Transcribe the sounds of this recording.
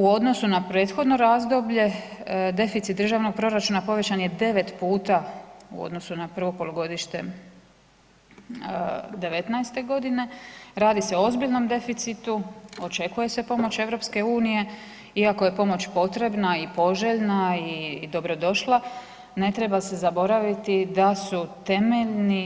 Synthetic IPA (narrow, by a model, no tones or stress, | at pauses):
uo̞d̪no̞sunapɾe̞ːt̪xo̞d̪no̞ɾaːzd̪o̞bʎe̞d̪e̞fit̪sit̪d̪ɾ̩ʒaʋno̞ɡ̚pɾo̞ɾat͡ʃuːnapo̞ʋe̞t͡ɕanje̞d̪e̞ʋe̞t̪puːt̪aṵo̰d̪no̞sunapr̩ʋo̞kpo̞loɡo̞d̪iʃt̪e̞̰ | d̪e̞ʋe̞t̪najst̪e̞ɡo̞d̪ine̞ɾaːd̪ise̞oozbiʎno̞md̪e̞fit̪sit̪uo̞t͡ʃe̞kuje̞se̞po̞mo̞t͡ɕe̞ʋɾo̞pske̞uːnije̞ | iako̞je̞po̞mo̞t͡ɕpo̞t̪ɾe̞bnaipo̞ʒeʎnaid̪o̞bɾo̞d̪o̞ʃlˠa | ne̞t̪ɾe̞base̞zabo̞ɾaʋit̪id̪asut̪e̞me̞ʎni